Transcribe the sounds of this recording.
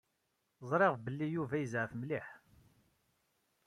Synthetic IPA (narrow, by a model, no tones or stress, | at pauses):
zˤɾˤeʁbəlːijuvæjəzʕəfmliħ